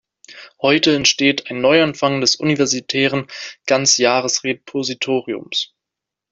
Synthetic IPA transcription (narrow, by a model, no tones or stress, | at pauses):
hɔʏtəɛntʃteːtʰaɪnːɔʏanfaŋdɛsʔṵnivɛɐzitʰɛːʁənɡ̥ant͡sjaːʁəsʁepʰozitʰoːʁiʊ̰ms